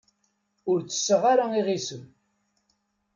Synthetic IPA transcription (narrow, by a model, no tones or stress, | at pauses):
ʊɾt͡sːə̥sːəʁaɾaiʁisəm